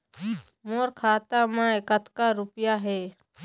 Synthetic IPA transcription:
moːɾkʰaːt̪amãekət̪kaɾʊpjaɦɛː

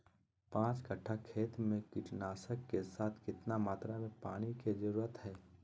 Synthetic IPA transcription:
pãːt͡ʃɡɐʈʰːakʰeːt̪mẽkɪʈnaːsəkːesaːt̪ʰkɪt̪namaːt̪ɾamẽpaːɽ̃iked͡ʒɐɾuːɾət̪ɦɛː

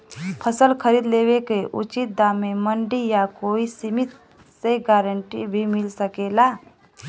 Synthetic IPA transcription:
pʰəsəlkʰəɾiːd̪leːwekeʔṵt͡ʃit̪̚d̪aːmeməɳɖijakoːisimit̪ | seɡaːɾəɳʈḭbʱimɪlsəkeːlaː

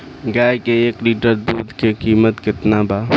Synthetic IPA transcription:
ɡaːkeeːkliːʈəɾd̪uːd̪ʱkekiːmət̪kɪt̪nabaː

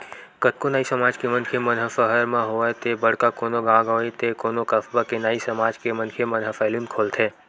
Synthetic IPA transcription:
kət̪̚konaːisəmaːd͡ʒkemənkʰemənɦəfəɦəɾmãɦot̪ebəɽ̤kakoːnoɡãːɡoːit̪ekoːnokəfbakenaːisəmaːd͡ʒkemə̃nkʰemənɦəfɛlinkʰoːlt̪ʰeː

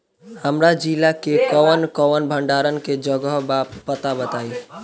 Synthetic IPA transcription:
həmɾad͡ʒilakekəʋənkəʋənbʱəɳɖaɾənked͡ʒəɡəɦbapət̪abət̪ai

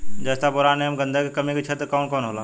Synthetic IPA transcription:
d͡ʒəːst̪ʰapʊɾaːnemɡə̃nd̪ʱəkkɐmikʰet͡ʃʰət̪koːnkoːnɦoːlaː

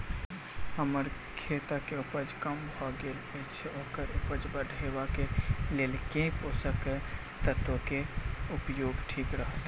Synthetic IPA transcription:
ɦəməɾ | kʰet̪akeupəd͡ʒkəmbʱɔɡelət͡ʃʰɛokəɾupəd͡ʒbəɖʱebakelelkẽposəkɛ | t̪ət̪okeupjoɡʈʰikɾəɦət̪

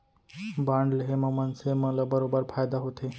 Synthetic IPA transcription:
baɳɖleɦeməmənsemələbəɾobəɾfʰaːjd̪aɦot̪ʰe

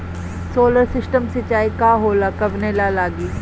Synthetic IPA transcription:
soːləɾsɪsʈəmsɪt͡ʃaːikaːɦoːlakɐbnelalaːɡiː

